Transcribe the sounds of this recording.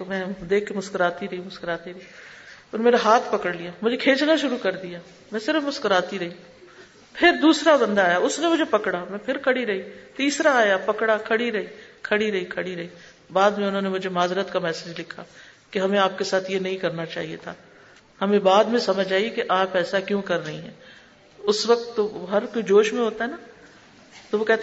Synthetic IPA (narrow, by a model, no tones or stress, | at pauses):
t̪omɛ̃d̪eːkʰːemʊskəɾaːt̪iɾɐɦimʊskəɾaːt̪iɾɐiɔɾmeːɾaɦaːt̪ʰpɐkəɽlijamʊd͡ʒʱekʰeːt͡ʃnaʃʊɾukɐɾd̪ijaː | mɛ̃ːsɪɾəfmʊskəɾaːt̪iɾɐɦĩ | pʰɪɾd̪uːsɾabɐ̃nd̪aːjaʊsnemʊd͡ʒʱepɐkɽamɛ̃ːpʰɪɾkʰɐɽiɾɐɦiːt̪iːsɾaaːjapɐkɽakʰɐɽiɾɐɦiːkʰɐɽiɾɐɦikʰɐɽiɾɐiː | baːd̪mẽʊnɦõːnemʊd͡ʒʱemaːzɾət̪kamɛːsed͡ʒlɪkʰakeɦɐmẽaːp̚kesaːt̪ʰjenɐɦĩkɐɾnat͡ʃa̰ːɦiet̪ʰaː | hɐmẽbaːd̪mẽsɐməd͡ʒaːiekeʔaːpɛːsakjõkɐɾːɐɦiɦɛ̃ː | ʊsʋɐk̚t̪ːoɦɐɾkoid͡ʒoːʃmẽɦoːt̪aɦɛna | t̪oʋokɛːɦt̪